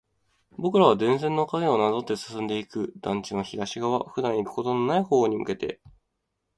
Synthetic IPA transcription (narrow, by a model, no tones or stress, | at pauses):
bo̞kɯ̟ɾaβ̞ad̪ẽ̞ñsẽ̞nːokaɡe̞o̞nazo̞t̪ːe̞sɨ̥sɨ̃nd̪e̞ikɯ̟d̪ãɲ̟t͡ɕĩɰaçiɡaɕiɡaβ̞aɸɯ̟d̪ãɰ̃ikɯ̟̥ko̞t̪o̞no̞naiho̞ːɲ̟imɯ̟̰ke̞t̪e̞̰